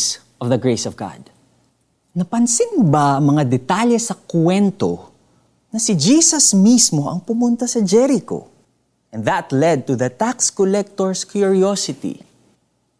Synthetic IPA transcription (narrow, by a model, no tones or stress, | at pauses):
s | ʔɔvðɐɡɹejsɔvɡa̰d̪ | nɐpɐnsɪnbaʔɐŋmɐŋad̪ɛt̪aljɛsɐkwɛnt̪o̰ | nɐsɪd͡ʒisɐsmismo̞ʔɐŋpʊmʊnt̪ɐsɐd͡ʒɛɾɪko̞̰ | ʔɛ̃nðɐt̪lɛd̪̚t̪uðɐt̪akskɔlɛk̚t̪oɹskjʊɹiosɪt̪ḭ